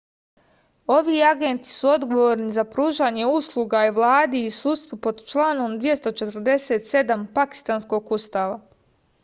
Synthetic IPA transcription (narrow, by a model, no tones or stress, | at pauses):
o̞ʋiːaɡent̪i̥suo̞d̪ɡo̞ʋo̞ɾnizapɾuːʒaːɲe̞uslˠuɡaiʋlˠaːd̪iːsuːd̪st̪ʋupo̞d̪t͡ʃlˠaːno̞md̪ʋije̞st̪ot͡ʃe̞t̪ɾ̩d̪e̞set̪se̞d̪ampaki̥st̪aːnsko̞ɡust̪aːʋa